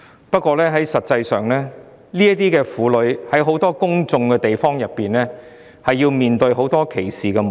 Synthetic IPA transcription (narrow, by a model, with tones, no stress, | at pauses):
pɐ˥t̚kʷɔː˧lɛː˥ɦɐ˨˥jsɐ˨t̚t͡sɐ˧jsœː˨ŋlɛː˥ | liː˥ɐt̪iː˥kɛː˧fuː˨˥lɵ˨˧˥ɥhɐ˨˥jɦo˨˥wt̪ɔː˥kʊ˥ŋt͡sʊ˧ŋkɛː˧t̪e˨jfɔː˥ŋjɐ˨pːiː˨nlɛː˥ | hɐ˨jːiː˧wmiː˨nt̪ɵ˧ɥɦo˨˥wt̪ɔː˥kʰe˨˩jsiː˨kɛ˧m